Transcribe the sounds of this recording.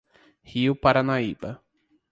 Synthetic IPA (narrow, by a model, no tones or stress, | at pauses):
hiʊpaɾanaibɐ